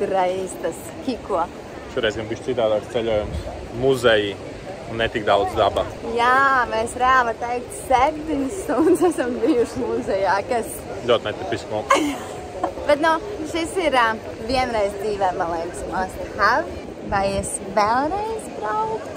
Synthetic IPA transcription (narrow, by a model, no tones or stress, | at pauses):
t̪uɾajiːst̪as | kʲikuɔ | ʃuɔɾɛjzɡanbiʃtsit̪aːd̪aːkst̪sɛʎʲuɔjums | muzɛji | unːɛt̪ik̚d̪awd̪zd̪abajaːvajesɾaːvɐt̪ɛjkt̪sɛp̚t̪iɲsːund̪sɛsambijuʃmuzɛjaːkas | lʲuɔt̪nɛt̪ipʲismuk | b̥ɛt̪nuʃisiɾ | viɛnɾɛjzd̪ziːʋɛmːalˠɛjmsmast̪xav | vajɛs | vɛlˠɾɛjzbɾawkk̪